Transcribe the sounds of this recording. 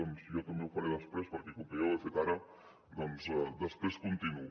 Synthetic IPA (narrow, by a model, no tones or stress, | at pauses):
ɔnzjɔt̪ɐmbeufaɾeðəspɾespəɾkekukeoefet̪aɾə | d̪ɔnzɛd̪əspɾeskunt̪inu